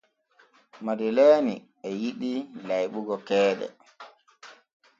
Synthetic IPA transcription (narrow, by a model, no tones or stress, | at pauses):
madilaːni | ɛjiɗilajɓuɡɔkɛːɗɛ̰